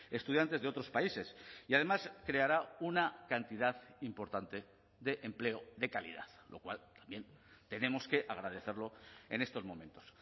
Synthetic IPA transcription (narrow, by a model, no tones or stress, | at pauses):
e̞st̪uð̞jant̪e̞zðeo̞t̪ɾo̞spaise̞siað̞e̞maskɾe̞aɾaunakant̪iðaðimpo̞ɾt̪ant̪e̞ | ðe̞ʔemple̞oðe̞kalḭða̰θlo̞̰kwa̰lt̪ḁmbje̞nt̪e̞ne̞mo̞ske̞ʔaɣ̞ɾað̞e̞θe̞ɾlo̞e̞̰ne̞st̪o̞zmõ̞mẽnt̪o̞̥s